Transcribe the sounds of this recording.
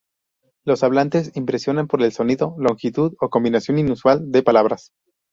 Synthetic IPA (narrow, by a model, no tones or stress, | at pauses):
lo̞saβlant̪e̞simpɾe̞sjo̞nampoɾe̞lso̞niðo̞lo̞ŋxit̪uðo̞ko̞mbinasjo̞ninuswald̪e̞palaβɾas